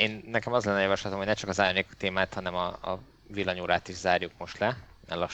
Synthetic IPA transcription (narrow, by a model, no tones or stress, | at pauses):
eːnːɛkɛmɒzlɛnːɒjɒvɒʃlɒt̪omoɟnɛt͡ʃɒkɒzaːrɲeːkt̪eːmaːt̪hɒnɛmɒ̰ː | vilːɒɲuːɾaːt̪iʒzaːrjukmo̞ʃt̪lɛmɛrlɒʃ